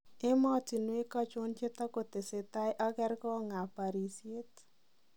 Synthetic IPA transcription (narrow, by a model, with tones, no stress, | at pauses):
ɪ˦mɔ˦ti˨nwe˦kɔ˦t͡ʃo˦nt͡ʃe˦t̪ɔ˦ko˨t̪e˨se˨ta˦jʔɔ˦ɡɛ˦rkɔ˦ŋa˨pa˨ɾi˨sje˦t